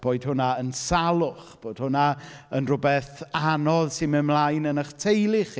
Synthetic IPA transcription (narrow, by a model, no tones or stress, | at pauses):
b̥oːɨd̥̚hʊnaənsalˠʊχb̥oːd̥̚hʊna | ənrʊbɛθanɔðsɪnmɛmlˠajnənəχtʰejlˠɪχ